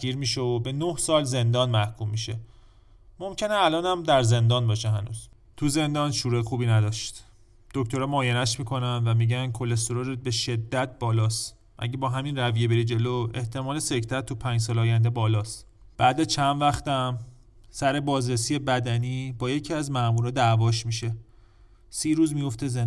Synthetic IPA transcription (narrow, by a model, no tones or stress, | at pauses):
ɡiːɾmiːʃeobe̞nohsɒːlze̞nd̪ɒːnmæhkʰumːiʃe̞ | mo̞mcʰeneælɒːnæmd̪æɾze̞nd̪ɒːnbɒːʃeɦænṵːz̥ | t̪ʰuze̞nd̪ɒːnʃuːɾuexuːbiːnæd̪ɒːʃt̪ | d̪̥oct̪ʰo̞ɾɒːmɒːjenæʃmiːkʰo̞nænvæmiːɟænkʰo̞lːes̬t̪oɾoɾ̚be̞ʃe̞d̪ːæt̪̚ʰbɒːlɒːst̪ | ʔæ̰ɟebɒːɦæminrævije̞be̞ɾid͡ʒe̞loe̞ht̪ʰe̞mɒːle̞se̞cʰt̪ʰæt̪ʰːupʰæːnd͡ʒs̬ɒːlɒːjænd̪e̞bɒːlɒːst̪ | b̥æːd̪æzt͡ʃʰænd̪væxt̪æm | sæɾe̞bɒːzɾesiːe̞bæd̪æniːbɒːjecʰiæzmæʔmuːɾɒːd̪ævɒːʃmiʃe̞ | siːɾuːzmijo̞ft̪eze